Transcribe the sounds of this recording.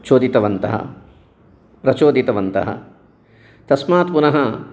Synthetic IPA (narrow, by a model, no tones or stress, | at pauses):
t͡ʃoːd̪it̪ɐʋɐnt̪ɐ̰ɦɐ̰ | pɾɐt͡ʃoːd̪it̪ɐʋɐnt̪ɐ̰ɦɐ̰ | t̪ɐsmaːt̪punɐɦɐ